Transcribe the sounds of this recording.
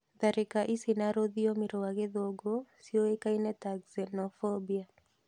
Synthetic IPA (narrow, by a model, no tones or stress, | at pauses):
ðaɾɛkaʔisinaɾoðiomiɾowaɡeðoɡosioekainɛtaɡzɛnɔfobia